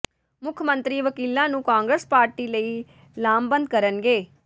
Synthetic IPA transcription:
mʊkʰmə̃nt̪ɾiːʋəkiːlãːnũːkãːŋɡɾəspaːɾʈiːləiː | laːmbənd̪̚kəɾənɡeː

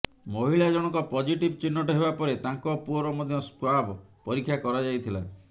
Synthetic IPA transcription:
moɦiɭad͡ʒɔɽ̃ɔŋkɔpɔd͡ʒiʈibt͡ʃinːɔʈɔɦebapɔɾet̪aŋkɔpuɔɾɔmɔd̪ʱjɔskwabpɔɾikʰːjakɔɾad͡ʒajt̪ʰila̰

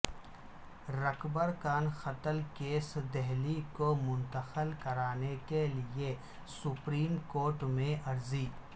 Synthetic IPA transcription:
ɾɐkbəɾkaːnxɐt̪əlkeːsd̪ɛɦlikomʊ̃nt̪əxəlkɐɾaːnekelie | sʊpɾiːmkoːɾʈmẽʔɐɾziː

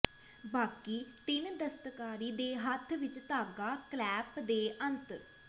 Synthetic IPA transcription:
baːkiːt̪ɪnd̪əst̪kaːɾiːd̪eːɦət̪ʰʋɪt͡ʃt̪aːɡaːklɛːpd̪eːʔənt̪

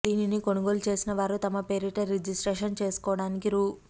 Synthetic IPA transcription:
d̪iːninikonuɡo̞ːlut͡ʃe̞ːsinɐʋaːɾut̪ɐmɐpeɾiʈɐɾːed͡ʒisʈɾeːʂɐnt͡ʃe̞ːsu̥kɔːʋɐɽaːnikiɾuː

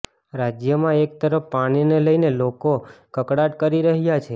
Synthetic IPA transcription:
ɾad͡ʒjəmãek̚t̪əɾəfːaɽ̃ineləjnelokokəkɽaʈ̚kəɾiɾəɦjat͡ʃʰe

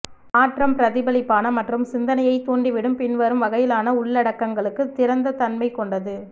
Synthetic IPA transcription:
aːʈrɐmpɾɐðɪbɐlɪpːaːnɐmɐʈrɯmsɪnd̪ɐnɐjɐɪt̪uːɳɖiʋɪɽɯmpɪnʋɐɾɯmʋɐɣɐjɪlaːnɐʊɭːɐɽɐkːɐŋɡɐɭɯkːɯt̪ːɪɾɐnd̪ɐt̪ɐnmɐɪkːɔɳɖɐðɯ

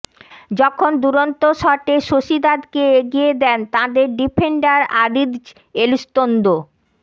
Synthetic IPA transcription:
d͡ʑɔkʰond̪uɾont̪oʃɔɾʈeʃoʃid̪ad̪keeɡied̪ɛnt̪ãd̪eɾɖipʰeɳɖaɾaɾid̪d͡ʑ | elust̪ond̪o

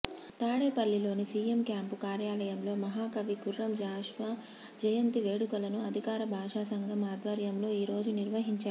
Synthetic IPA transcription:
t̪aːɽeːpɐɭːilo̞ːnisiːemkjaːmpukaːɾjaːlɐjɐmlo̞ːmɐɦaːkɐʋiɡurːɐmd͡ʒaːʃʋa | d͡ʒɐjɐnt̪iʋeːɽukɐlɐnuɐd̪ʱikaːɾɐbʱaːʂaːsɐŋɡʱɐmaːd̪ʋɐɾjɐmlo̞ːiːɾo̞ːd͡ʒuniɾʋɐɦiɲt͡ʃaːu

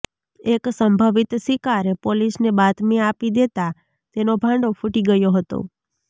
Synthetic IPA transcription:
eksəmbʱəʋit̪sikaɾepolisnebat̪miapid̪et̪a | t̪enobʱãɳɖofʰuʈiɡəjoɦət̪o̰

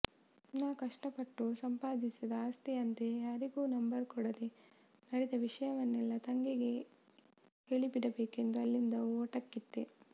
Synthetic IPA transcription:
naːkɐʂʈɐpɐʈːusɐmpaːd̪isid̪ɐaːst̪iɐnt̪ejaːɾiɡuːnɐmbɐɾkɔɽɐd̪e | nɐɽed̪ɐʋiʂɐjɐʋɐnːɛlːɐt̪ɐŋɡeɡe̞ | keɭibiɽɐbeːke̞nd̪uɐlːind̪ɐoːʈɐkːit̪ːe

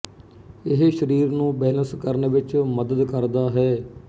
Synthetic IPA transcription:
ɪɦʃəɾiːɾnũːbɛːnəskəɾneːʋɪt͡ʃməd̪əd̪kəɾd̪aːɦɛː

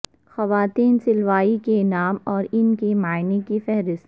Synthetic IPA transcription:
xɐʋaːt̪iːnsɪlʋaːikenaːmɔːɾɪnkimaːɪnikifɛɦɾɪst̪

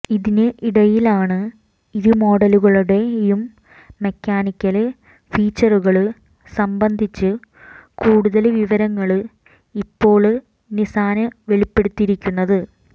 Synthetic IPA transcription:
iðinɨʔiɽɐjilaːɳɨ | iðumo̞ːɽɐluɣɐɭuɽe̞jumː | ekʲːaːnikʲːɐl | fiːt͡ɕːɐruɣɐɭɨ | sɐmbɐnd̪ʱit͡ɕːɨ | kuːɽuðɐlʋiʋɐɾɐŋːɐɭɨ | ipːo̞ːɭɨ | nisaːnɐʋe̞ɭipːe̞ɽut̪ːiɾikʲːunːɐðɨ

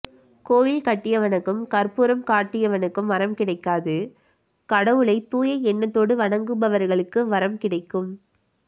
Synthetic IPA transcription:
koːʋɪlkɐʈːɪjɐʋɐnɐkːɯmkɐɾpuːɾɐmkaːʈːɪjɐʋɐnɐkːɯmʋɐɾɐmkɪɽɐɪkːaːðɯ | kɐɽɐʋɯɭɐɪt̪ːuːjɐɪɛnːɐt̪ːoːɽɯʋɐɳɐŋɡɯbɐʋɐɾɣɐɭɯkːɯʋɐɾɐmkɪɽɐɪkːɯm

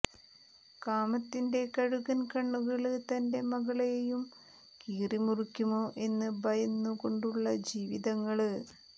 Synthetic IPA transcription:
kaːmɐt̪ːinde̞kɐɻuɣɐnkɐɳːuɣɐɭɨt̪ɐnde̞mɐɣɐɭejejum | kiːrimurikʲːumo̞ːʔe̞nːɨbɐjɐnːuko̞ɳɖuɭːɐd͡ʑiːʋiðɐŋːɐɭɨ

